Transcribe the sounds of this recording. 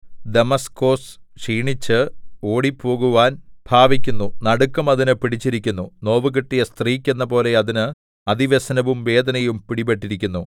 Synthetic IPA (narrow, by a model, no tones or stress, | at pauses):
d̪emɐsko̞ːsʂiːɳit͡ɕːɨo̞ːɽipːo̞ːɣuʋaːnb̥ʱaːʋikʲːunːunɐɽukːɐmɐðinɨpiɽit͡ɕːiɾikʲːunːuno̞ːʋɨɣiʈːijɐst̪riːkʲːenːɐpo̞ːle̞ɐðinɨ | ɐd̪iʋesɐnɐʋumʋe̞ːd̪ɐnɐjumpiɽibeʈːiɾikʲːunːu